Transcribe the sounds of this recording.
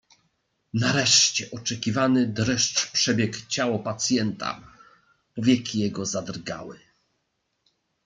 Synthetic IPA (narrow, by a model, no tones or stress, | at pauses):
naɾɛʂt͡ɕɛʔɔt͡ʂɛkʲivanɘd̪ɾɛʂt͡ʂpʂɛbʲjɛkt͡ɕawɔpat̪sʲjɛnt̪a̰ | pɔvʲjɛkʲijɛɡɔzad̪rɡa̰wɘ